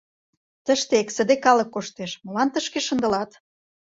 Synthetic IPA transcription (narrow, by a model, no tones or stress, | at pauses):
t̪əʃt̪eeksə̆d̪ekɑlə̆kːoʃt̪eʃmɤ̆lɑnt̪əʃkeʃə̆nd̪ə̆lɑt̪